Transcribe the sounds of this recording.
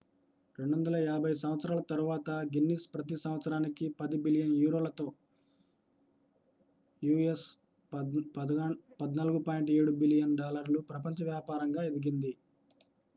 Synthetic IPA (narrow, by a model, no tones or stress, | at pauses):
ɾeɳɖʋɐnd̪ɐlɐjaːbʱɐjs̬ɐmʋɐt̪sɐɾaːlɐt̪ɐɾuʋaːt̪ɐɡinːispɾɐt̪̬isɐmʋɐt̪sɐɾaːnikipɐd̪ibilijɐnjuːɾoːlɐt̪o̞ː | juːes | pɐd̪naːluɡupaːjɳʈeːɽubilijɐnɖaːlɐɾlupɾɐp̬ɐɲt͡ʃɐʋjaːpaːɾɐŋɡaːed̪iɡind̪i